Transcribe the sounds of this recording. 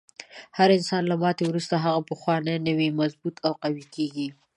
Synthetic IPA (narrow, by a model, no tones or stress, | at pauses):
haɾɪnsɑnlamɑt̪ewɾust̪aɦaɣapəxwɑnəjnəwimazbut̪ʰawqawikeɡi